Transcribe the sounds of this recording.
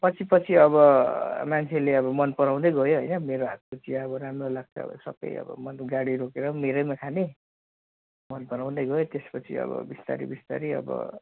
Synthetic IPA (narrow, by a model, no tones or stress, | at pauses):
pʌt͡sʰipʌt͡sʰiʌbʌmant͡sʰeleʌbʌmʌnpʌɾaw̃d̪ʌjɡʌjoɦʌjnʌmeɾoɦat̪̚kot͡siaʌbʌɾamrolaɡ̚t͡sʰʌ̰ʌ̰bʌ̰sʌbʌ̰jʌ̰bʌ̰mʌnɡaɽiɾokeɾʌmeɾʌjmakʰane | mʌnpʌɾaw̃d̪ʌɡʌjot̪espʌt͡sʰḭʌ̰bʌ̰bist̪a̰ɾḭbist̪a̰ɾiʌ̰bʌ̰